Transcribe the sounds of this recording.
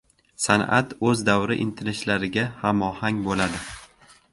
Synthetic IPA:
sana̰t̪ɵzd̪awɾɪʔɪ̰nt̪ʰɪnɪʃlaɾɪɡʲahamɒhaŋbolad̪ɪ

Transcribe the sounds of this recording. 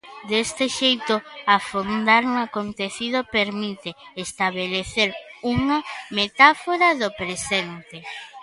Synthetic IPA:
d̪est̪eʃejt̪ʊafond̪aɾuŋakont̪eθið̞opeɾmit̪eest̪aβ̞eleθeɾuŋamet̪afoɾɐðopɾesent̪e

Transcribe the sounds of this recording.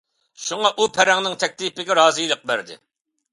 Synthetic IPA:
ʃuŋɑʔupʰæɾɛŋnɪŋt̪ʰɛk̚ʲt̪ipɪɡʲɛɾɑːzɨjlˠəq̚bæɾd̪ɪ̰

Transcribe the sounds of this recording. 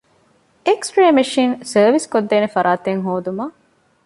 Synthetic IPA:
eksʈɾeːmeʃiːnsɐːʋiskod̪ːeːnefɐɾʔaːt̪eŋɦoːd̪umɐ

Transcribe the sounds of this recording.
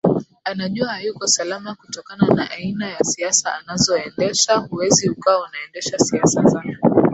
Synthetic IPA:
anaʄuahajukɔsalamakutɔkananaʔainajasiasaːnazɔɛndɛʃahuwɛzihukawaunaɛndɛʃasiasazaɔ

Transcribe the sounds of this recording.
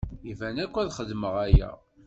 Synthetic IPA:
ivænækʷːæðχəd̪məʁæjæ̰

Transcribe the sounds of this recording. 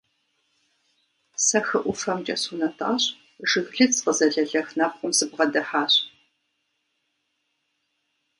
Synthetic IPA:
sɐxɨʔʷʊfɐmt͡ʃʼɐsunɐtʰʼa̰ːɕ | ʐɨɣɮɨt͡sqəzɐɮɐɮɐxnɐp̚qʷʼʊmsɨbʁɐdɐħaːɕʼ

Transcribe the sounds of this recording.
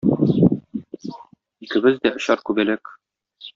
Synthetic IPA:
ikɘ̆bɘzd̪æʔŏɕɑɾkʉbælɘk

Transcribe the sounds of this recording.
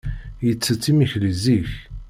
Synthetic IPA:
jət͡sːət͡sːimiçliziç

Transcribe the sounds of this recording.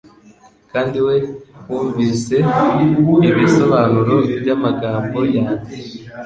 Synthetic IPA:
kaːndiwe̞wuːɱviːse | iβisoβanuɾobjamaɡaːmbo̞jaːɲe

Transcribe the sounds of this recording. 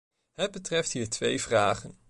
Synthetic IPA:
ɦəd̚bətrɛftɦiːɹtʋejvraːχən

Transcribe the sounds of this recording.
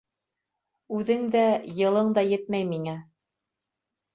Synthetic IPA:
ʉðɘŋd̪æjɤ̆lˠɤɴd̪ɑjɘt̪̚mæjmiŋæ

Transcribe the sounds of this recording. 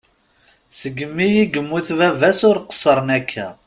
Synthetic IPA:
səɡːəmːijiɡəmːuθvævæsʊɾqə̥sˤːəɾˤənækʰːæ

